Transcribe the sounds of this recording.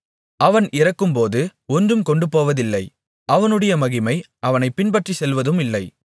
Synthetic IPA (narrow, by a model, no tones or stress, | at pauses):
ɐʋɐnʔɪrɐkːɯmpoːðɯɔndrɯmkɔɳɖɯpoːʋɐðɪlːɐɪ | ɐʋɐnɯɽɐjɐmɐɣɪmɐɪ | ʔɐʋɐnɐɪpːɪnbɐʈrisɛlʋɐðɯmɪlːɐɪ